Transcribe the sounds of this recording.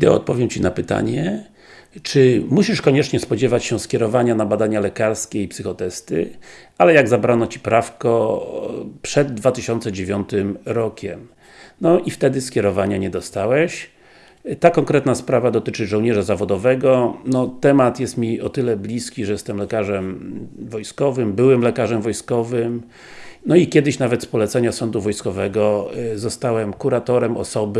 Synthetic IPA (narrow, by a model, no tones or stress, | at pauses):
id̪ɛ̰ɔ̰t̪̚pɔvjɛmt͡ɕinapɘt̪a̰ɲɛ | t͡ʂɘmuɕiʂkɔɲɛt͡ʂɲɛspɔd͡ʑɛvat͡ɕɕɛskʲjɛɾɔvaɲanabad̪aɲalɛkaɾskʲɛipsɨxɔt̪ɛst̪ɘ̰ | alɛjaɡzabɾanɔt͡ɕi̥pɾafkɔ | pʂɛd̪ːvat̪ɘɕɔnt̪sɛd͡ʑevʲjɔnt̪ɘmɾɔkʲʰɛm | nɔʔift̪ɛd̪ɘskʲɛɾɔvaɲaɲɛd̪ɔst̪awɛɕ | t̪akɔŋkɾɛt̪naspɾavad̪ɔt̪ɘt͡ʂɘʐɔwɲɛʐazavɔd̪ɔvɛɡɔnɔt̪ɛmat̪jɛst̪mʲiɔt̪ɘlɛblʲiskʲiʐɛjɛst̪ɛmlɛkaʐɛmvɔjskɔvɘmbɘwɛmlɛkaʐɛmvɔjskɔvɘm | nɔikʲɛd̪ɘɕnavɛt̪spɔlɛt̪sɛɲasɔnd̪uvɔjskɔvɛɡɔzɔst̪awɛmkuɾat̪ɔɾɛmɔ̰sɔb